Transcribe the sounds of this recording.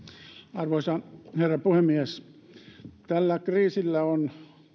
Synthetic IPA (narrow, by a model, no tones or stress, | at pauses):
ɑrʋoisɑherːɑpuhemːies | t̪ælːækriːsilːæon